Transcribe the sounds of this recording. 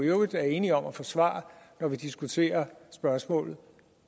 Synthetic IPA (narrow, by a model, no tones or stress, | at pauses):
eʊðˠæɐe̝ːniɒ̽mæfɒ̽sʋɑ̰̈ːnɒʋid̥isɡ̥ut͡sʰe̝̰ːɐsb̥ɶɐsmɔ̰̽ːlð̞̩ˠ